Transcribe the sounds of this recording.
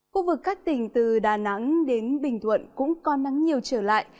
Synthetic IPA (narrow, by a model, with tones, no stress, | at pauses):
xu˧vɨ˨˩kːaː˦˥k̚t̪ï˧˩ŋ̟t̪ɨ˨˩ɗaː˨˩na˨˧˥ŋɗe˨˦nɓï˨˩ŋ̟t̪ʰwə̰˧˨nkʊ̰˧˥ŋ͡mkɔ˨˦na˨˦ŋɲi˨˩əwt͡ɕəː˧˩la̰ː˧˨jʔ